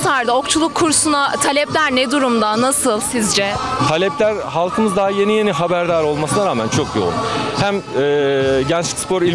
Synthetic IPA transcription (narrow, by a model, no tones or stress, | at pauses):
t̪ʰaɾd̪ao̞kt͡ʃʰulˠukʰːuɾsunat̪ʰalʲɛplʲæɾnɛd̪uɾumd̪anasɯlˠsizd͡ʒɛt̪ʰalʲɛplʲæɾhalˠkʰɯmɯzd̪aɦaje̞nije̞niɦabæɾd̪aːɾo̞lˠmasɯnaɾaːmænt͡ʃʰo̞kjo̰lˠuhæmɛːɟɛnt͡ʃʲi̥cspʰo̞ɾi